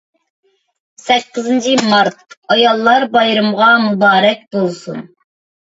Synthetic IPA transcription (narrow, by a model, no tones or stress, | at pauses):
sɛkʲːɪzɨnt͡ʃʰimɑɾt̪̚ɑjɑlˠːɑɾbɑjɾɨmʁɑmubɑːɾɛk̚ʲbolˠsṵn